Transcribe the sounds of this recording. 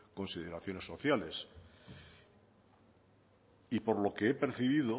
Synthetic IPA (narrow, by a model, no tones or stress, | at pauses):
ko̞nsið̞e̞ɾaθjo̞ne̞sːo̞θjale̞s | ipo̞ɾlo̞ke̞epeɾθiβ̞iðo